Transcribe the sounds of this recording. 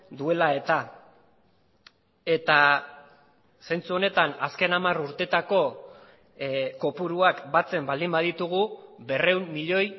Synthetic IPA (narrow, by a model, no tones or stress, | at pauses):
d̪ue̞lae̞t̪a | e̞t̪a | sent͡suo̞ne̞t̪anaske̞namaruɾt̪e̞t̪ako̞ | ko̞puɾuakbat͡se̞mbald̪imbaðit̪uɣ̞ube̞re̞umːiʎo̞j